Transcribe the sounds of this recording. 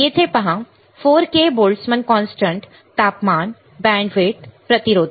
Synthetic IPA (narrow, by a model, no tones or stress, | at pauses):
jeːt̪ʰepɐɦã | foːɾkeboːlɖsmənkɔːnsʈə̃ɳʈ | t̪ːaːpmaːn | bɛ̃ːɳɖʋeːt̪pɾɐt̪ɪɾoːd̪